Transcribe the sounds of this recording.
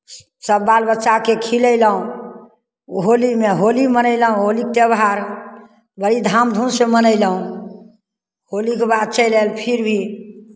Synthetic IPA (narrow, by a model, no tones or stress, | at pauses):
səbːalbətːʃakekʰiləjləũ | ɦolimeɦolimənəɪləɦũɦolik̚t̪ebɦaɾ | bəɾid̪ʱamd̪ʱunsemənəjləɦũ | ɦolikebad̪̚t͡ʃəjlelpʰiɾbʱi